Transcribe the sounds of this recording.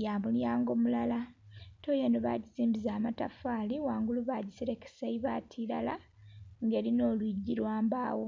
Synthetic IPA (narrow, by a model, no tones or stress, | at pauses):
jaːmuljaːŋɡo̞mulalato̞ːjenoβa̰ɟiziːmbizaːmata̰faːliwaːŋɡuluβaɟisiɾeke̥saiβaːtʰila̰la | ŋɡe̞ːlino̞ːlwiɟːiɾwaːmbaːwo̞